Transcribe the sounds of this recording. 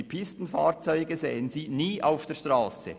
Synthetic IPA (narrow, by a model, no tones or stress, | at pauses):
ipʰɪstn̩faːɾt͡sɔʏɡəzeːənziːniːʔaʊfd̥ɛːʃtʁaːsə̰